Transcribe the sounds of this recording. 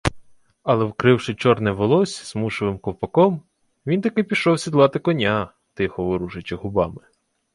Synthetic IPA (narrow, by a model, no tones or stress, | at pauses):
ɐlˠɛwkɾɪwʃɪt͡ʃɔrnɛʋɔlˠɔsʲz̥muʃɔʋɪmkɔwpɐkɔm | ʋʲint̪ɐkɪpʲiʃɔwsʲid̪lˠɑt̪ɪkɔnʲa | t̪ɪxɔʋɪɾuʒɪt͡ʃɪɦʊbɑmɪ